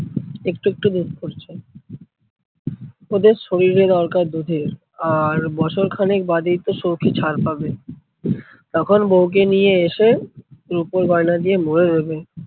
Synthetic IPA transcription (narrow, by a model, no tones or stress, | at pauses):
ekʈuek̚ʈud̪ut̪poɾt͡ɕʰe | od̪eɾʃoɾiɾed̪ɔɾkaɾd̪ud̪ʱeɾ | aɾbɔt͡ɕʰoɾkʰanek̚bad̪it̪oʃowkʰit͡ɕʰaɾpabe | t̪ɔkʰonbowk̬enijeeʃeɾupoɾbajnad̪ijemoɾed̪ebe